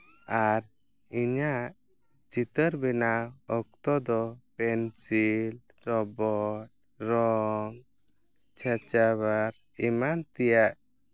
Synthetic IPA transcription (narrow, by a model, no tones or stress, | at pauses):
aɾ | iɲaʔ | d͡ʒit̪əɾbɛnaɔk̚t̪ɔd̪ɔpɛnsil | ɾɔbɔʈ̚ | ɾɔŋ | t͡ʃʰat͡ʃaβaɾ | imant̪ɛjaʔ